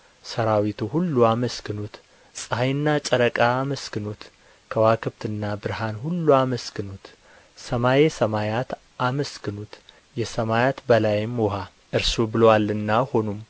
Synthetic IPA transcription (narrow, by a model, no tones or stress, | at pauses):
səɾawit̪ʰuhulːuaməskɨnut̪ | sʼɨhajɨnːat͡ʃʼəɾəkʼaːməskɨnut̪ | kʰəwakʰɨbt̪ʰɨnːabɨɾɦanhulːuaməskɨnut̪ | səmajesəmajat̪ | aməskɨnut̪ | jɛsəmajat̪bəlajɪmwɔɦa | ʔɨɾsobɨlowalːɨnːaho̞num